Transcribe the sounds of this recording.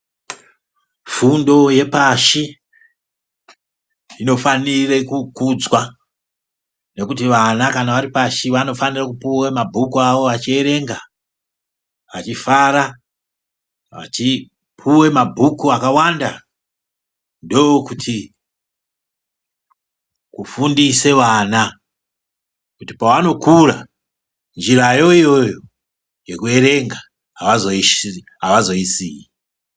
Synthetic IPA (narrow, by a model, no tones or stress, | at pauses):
fundo̞je̞paʃi | ino̞fanirekukud͡zwa | ne̞kutiʋanakanaʋaɾipaʃiʋano̞fanirakupuwemabʱukuaʋo̞ʋat͡ʃie̞ɾe̞ŋɡa | ʋat͡ʃifaɾa | ʋa̰t͡ʃi | pʰuwe̞mabʱukuakawanda | ndo̞okutʰi | kufundise̞ʋana | kutipawano̞kura | nd͡ʒirajo̞ijo̞jo | je̞kue̞ɾe̞ŋɡa | ɦaʋazoi | ɦaʋazo̞isiːi